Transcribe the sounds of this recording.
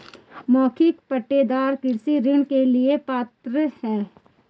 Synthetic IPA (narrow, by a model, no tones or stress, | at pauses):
mɔːkʰɪk̚pəʈːeːd̪aːɾkɪɾsiɾɪɳkeliepaːt̪ɾəhɛː